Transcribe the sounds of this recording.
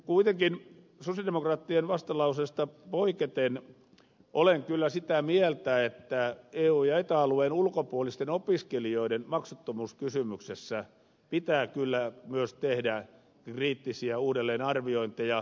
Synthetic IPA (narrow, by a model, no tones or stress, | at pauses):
kuit̪eŋkin | sosjɑdemokrɑːt̪ːienʋɑst̪ɑlɑusest̪ɑpoiket̪en | ʔoleŋkylːæsit̪æmielt̪æet̪ːæeːuːjɑet̪æluenulkopuolist̪enopiskelioidenmɑksot̪ːomuːskysymyksesːæ | pit̪æːkylːæmyøst̪ehdæ | kriːt̪ːisiæuːdelːeːnɑrʋioint̪ejɑ